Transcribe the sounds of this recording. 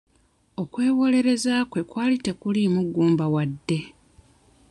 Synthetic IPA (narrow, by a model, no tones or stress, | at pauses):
o̞kwe̞ːwo̞le̞ɾe̞zaːkwe̞kwaːlite̞kulimuɡuːmbawadːe̞